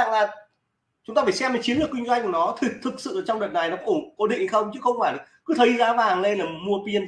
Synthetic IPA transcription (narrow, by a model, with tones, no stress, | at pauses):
a̰˧˨ŋlaː˨˩ | t͡ɕʊ˦ŋ͡mt̪aː˧faː˧˩jsɛ˧mə˨˩t͡ɕi˨˦nlɨ˨˩kwi˧ŋ̟zwa˧jŋ̟ku˧˩nɔ˨˦t̪ʰɨ˨˩t̪ʰɨ˨˩k̚sɨ̰˧˨ʔəː˧˩t͡ɕɔ˧ŋ͡mɗə˨˩t̚na˨˩jnɔ˨˦kɔ˧˦˥ʔo˧˩ko˧˦ɗḭ˧˨ŋhxə˧wŋ͡mt͡ɕɨ˨˦xə˧wŋ͡mfaː˧˩jl̚kɨ˨˦t̪ʰə˨˦jzaː˨˦vaː˨˩ŋle˧nlaː˨˩mu˧əpi˧ən